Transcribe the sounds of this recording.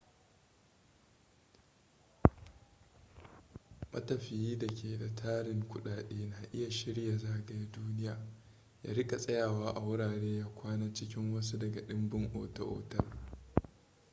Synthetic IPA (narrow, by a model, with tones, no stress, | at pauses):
mɐ̰˦tɐ˨ɸɪ˨jiː˦dɐ˨kʲʰeː˨da˨tʰaː˦ɽɪ˦ŋkʷʊ˦ɗaː˨ɗeː˦naː˨ʔɪ˦ja˨ʃɪ˦ɽja˨zaː˦ɡɐ˨ja˦duː˦nɪ˦jaː˨ | ja̰ː˦ɾɪ˦kʼa˨sʼɐ˦jaː˨waː˦ʔa˨wʊ˦ɽaː˨ɽeː˦jaː˦kʷaː˦naː˦t͡ʃɪ˦kʲɪ˦ŋwɐ˦s̬u˦dɐ˨ɡa˨ɗɪ˦mbɪ˦ŋʔoː˨tɐ̰˦ʔo̰ː˨tɐ˦r